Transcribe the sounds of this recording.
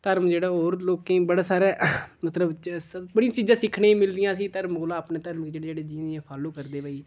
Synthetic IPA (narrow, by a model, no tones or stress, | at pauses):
t̪əɾmd͡ʒeːɽaːoːɾloːkẽːbəɽaːsaːɾɛːmət̪ləbbəɽɪãt͡ʃiːzãːsɪkʰɳeːĩmɪld̪ɪjãːsiːt̪əɾmkolaːpneːt̪əɾməkd͡ʒeːɽeːd͡ʒeːɽeːd͡ʒiːnːɛ̃ːpʰaːlõːkəɾd̪eːbaːiː